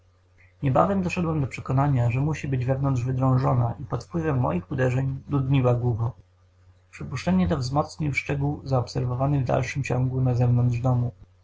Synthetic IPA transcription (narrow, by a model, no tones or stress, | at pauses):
ɲɛba̰vɛmd̪ɔʂɛd̪wɛmd̪ɔpʂɛkɔnaɲaʐɛmuɕibɘd͡ʑvɛvnɔnd̪ʐvɘd̪ɾɔ̃w̃ʐɔnaʔipɔt̪fpwɘvɛmːɔ̰jixud̪ɛʐɛɲd̪ud̪ɲiwaɡwuɡɔ | pʂɘpuʂt͡ʂɛɲɛt̪̬ɔvzmɔt̪sɲiwʂt͡ʂɛɡuwzaɔpsɛɾvɔvanɘvd̪a̰lʂɘmt͡ɕɔ̃ŋɡunazɛvnɔnd̪ʐd̪ɔmu